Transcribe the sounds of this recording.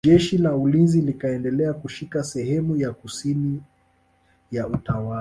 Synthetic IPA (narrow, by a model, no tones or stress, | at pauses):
ɛʃilaulinzilikaɛndɛlɛakuʃikasɛhɛmujakusini | jautawa